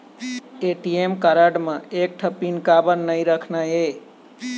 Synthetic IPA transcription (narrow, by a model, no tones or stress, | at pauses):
eʈiemkəɾəɖməek̚ʈʰəpinkabənːəjɾəkʰnae